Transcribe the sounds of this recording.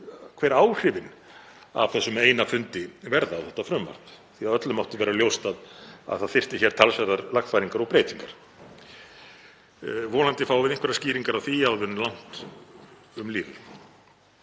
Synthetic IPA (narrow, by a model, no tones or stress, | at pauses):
kʰvɛːɾaːwr̥ɪvɪn | a̰v̥θɛsːʏmeːjnafʏnt̪ɪvɛɾðaːwθɛht̪afɾʏmːa̰r̥t̪ | θiaðœt̪lʏmawt̪ʏvɛːɾaljowst̪aða̰ðθaðθfɪr̥t̪ɪçɛɾ̥t̪ʰalsvɛɾðaɾlaxt̪fajɾiŋkaɾɔɣpɾeːjt̪iŋkaɾ̥ | vɔːnant̪ɪfaːwvɪðɪnŋkvɛɾasciːɾiŋkaɾawθiaðvʏnlan̥t̪ | ʏmliːvɪ̰